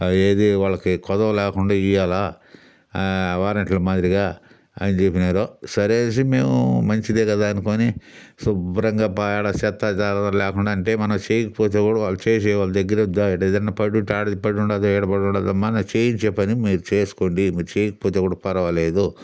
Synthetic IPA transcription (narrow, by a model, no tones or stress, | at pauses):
eːd̪iʋaːɭːɐkikɔd̪ɐʋɐlɛːkuɳɖaːijaːlaː | ʋaːɾɐɳʈlɐmaːd̪ɾiɡaː | ɐ̰nit͡ʃepːinaːɾoːsɐɾeːns̬ime̞ːmumɐɲt͡ʃid̪eːkɐd̪aːɐnukoːnisubɾɐŋɡaːpaːjaːɽɐsɛːt̪ːad͡ʒaːɾɐɐlɛːkuɳɖaːɐɳʈe̞ːmɐnɐmt͡ʃeːjkɐpoːt̪̬eːkuːɽaʋaːɭːut͡ʃeːs̬ɛːʋaːlːɐd̪ɐɡːɐɾeud̪ːaeʈɛd̪ɐnapɐɽuʈaːɽd̪ipɐɽuɳɖad̪ɐɛːɽɐpɐɽuɳɖaːd̪ɐmɐnɐt͡ʃeːjint͡ʃɛpːɐnimiːɾut͡ʃe̞ːsu̥koːɳɖimiːɾut͡ʃeːjkɐ̥poːt̪eːkuːɽɐpɐɾɐʋɐleːd̪u